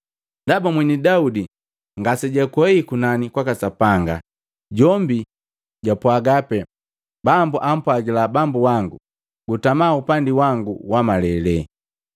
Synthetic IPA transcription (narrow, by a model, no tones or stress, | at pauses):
ndabamwɛnidaudi | ŋɡasɛɟakwɛikunanikwakasapaŋɡa̰ | ɟɔmbi | ɟapwaɡapɛ | bambuʔam̩pwaɡilabambuwaŋɡu | ɡutamaupandiwaŋɡuwamalɛlɛ